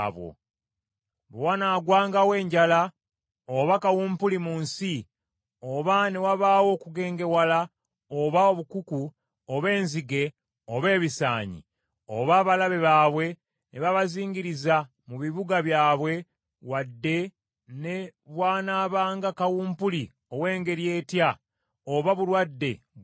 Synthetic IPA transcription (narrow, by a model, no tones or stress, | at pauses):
βwo̰ | bowanaːɡwaːŋɡawe̞ːɲɟala | oβakawuːmpulimunsi | oβane̞waβaːwo̞ːkuɡe̞ːŋɡe̞wala | oβaoβukuku | oβe̞ːnziɡe̞ | oβe̞ːβisa̰ːɲḭ | o̰βaːβalaβe̞βaːβwe̞ | neβaβaziːŋɟiɾiza | muβiβuɡaβjaːβwe̞ | wadːe̞ | ne̞βwaːnaːβaːŋɡakawuːmpuli | o̞we̞ːŋɡe̞ɾije̞ːtja | oβaβulwadːe̞̰